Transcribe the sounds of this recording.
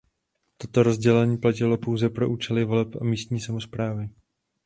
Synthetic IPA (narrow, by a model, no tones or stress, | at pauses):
t̪o̞t̪o̞ɾo̞zɟɛlɛɲiːplac̬ɪlo̞powzɛpɾo̞ʔuːt͡ʃɛlɪvo̞lɛpʔamiːst̪ɲiːsamo̞spɾaːvɪ